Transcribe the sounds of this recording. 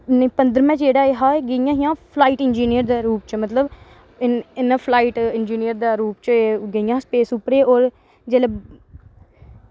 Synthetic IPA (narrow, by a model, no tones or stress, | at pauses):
nə̃ːpənd̪əɾmɛ̃ːd͡ʒeːɽaːeɦaːeɡeijãːɦɪjãːpʰlaːiːʈɪnd͡ʒiːnijəɾd̪aːɾuːpt͡ʃmət̪ləb | ɪɪnãːpʰlaːiːʈɪnd͡ʒiːnijəɾd̪aːɾuːp̚t͡ʃːɡeijãːspeːsʊpɾeːʔoːɾ | d͡ʒeːle